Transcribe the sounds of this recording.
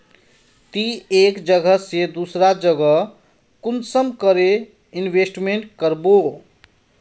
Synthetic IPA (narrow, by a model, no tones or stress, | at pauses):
t̪iekd͡ʒəɡəsed̪usɾad͡ʒəɡə | kunsəmkəɾe | inbʱesʈmeɳʈ̚kəɾbo